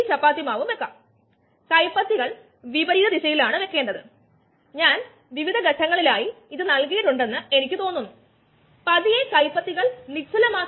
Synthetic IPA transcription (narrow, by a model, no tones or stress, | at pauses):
t͡ɕɐpːaːt̪ːimaːʋumʋe̞kːɐm | kɐjpːɐt̪ːiɣɐɭ | ʋibɐɾiːðɐd̪iɕɐjilaːɳɨʋe̞kːe̞ːɳɖɐðɨ̰ | ɲaːn | ʋiʋid̪ʱɐɡɐʈʰːɐŋːɐɭilaːjiiðɨnɐɭkijɐʈuɳɖe̞nːɨe̞nikʲːɨt̪o̞ːnːunːu | pɐðijekɐjpːɐt̪ːiɣɐɭnit͡ɕʰːulɐmaː